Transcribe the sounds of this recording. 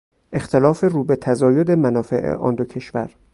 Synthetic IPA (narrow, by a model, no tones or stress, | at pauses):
ʔe̞xt̪ʰelɒːfe̞ruːbe̞t̪ʰæzɒːjod̪e̞mænɒːfḛʔḛʔɒ̰ːnd̪ocʰe̞ʃvæ̰ɾ